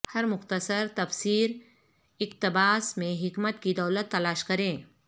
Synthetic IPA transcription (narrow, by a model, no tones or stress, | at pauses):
hɐɾmʊxt̪əsəɾt̪ɐfsiːɾ | ɪk̚t̪ɪbaːsmẽɦɪkmət̪kid̪ɐːlət̪ːɐlaːʃkɐɾẽː